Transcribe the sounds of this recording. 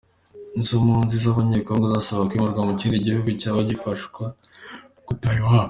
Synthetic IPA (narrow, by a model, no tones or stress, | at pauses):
nzomunzizaβaɲekoŋɡozasaβakwimuɾɡwamuciːndiɟihuɡucaβaɟifaʃkwa | kutaɲuwam